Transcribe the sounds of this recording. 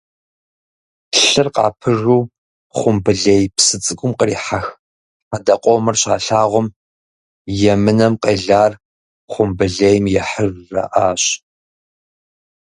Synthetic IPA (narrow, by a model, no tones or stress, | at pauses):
ɬɨrqɑ̰ːpʰɨʐuː | χʷʊmbɨɮejpsɨt͡sʼɨkʷʼʊmqəriːħax | adɐqʷʼɔmɨrɕa̰ːɬaːʁʷʊm | jɛmɨnɐmqeːɮaːr | χʷʊmbɨɮejmjɛħərːɐ̰ʔaːɕ